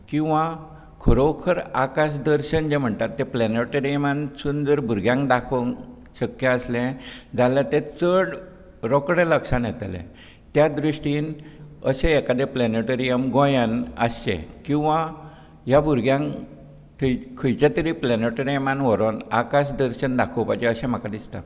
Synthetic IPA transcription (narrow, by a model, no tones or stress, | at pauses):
kĩw̃ʋã | kʰəɾowkʰəɾakaɕ̬d̪əɾɕənd͡ʑem̤əɳt̪at̪ːẽplɛneʈəɾijəmansund̪əɾbʱuɾɡjãŋkd̪akʰoŋ | ɕəkjaəslẽd͡zalat̪ẽt͡səɽ | ɾɔkɽeləkʂãnjɛt̪lḛ̃ | t̪jad̪ɾiɕʈiːnəsẽːkad̪epleneʈəɾijəmɡɔ̃jənəsḛ̃kĩw̃ʋa | ɦjabʱuɾɡjãŋ | t̪ʰəjkʰəjt͡ɕat̪əɾiplɛneʈəɾijəmanʋɔɾona̰kaɕd̪əɾɕənd̪akʰowpajd͡ʑeəsɛ̃m̤əkad̪ist̪a̰